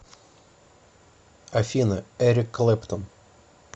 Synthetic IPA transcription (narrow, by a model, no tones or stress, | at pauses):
ɐfʲinəɛɾʲɪkːlʲˠɛpt̪on